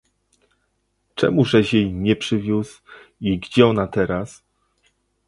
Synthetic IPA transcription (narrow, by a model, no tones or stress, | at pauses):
t͡ʂɛ̰muʐɛʑjejɲɛpʂɘvʲjusiɡd͡ʑɛɔnat̪ɛɾas